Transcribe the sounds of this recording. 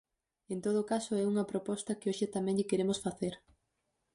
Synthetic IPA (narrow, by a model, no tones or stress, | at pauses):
ent̪oð̞okasoɛuŋɐpɾopɔst̪ɐkɪoʃɪt̪amɛ̃ŋʎɪkeɾemʊsfaθeɾ